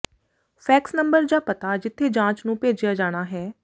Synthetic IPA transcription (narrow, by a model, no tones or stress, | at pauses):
pʰɛːksnəmbəɾd͡ʒaːpət̪aːd͡ʒɪt̪ʰːeːd͡ʒãːt͡ʃnũːpeːd͡ʒɪjaːd͡ʒaːɽ̃aːɦɛː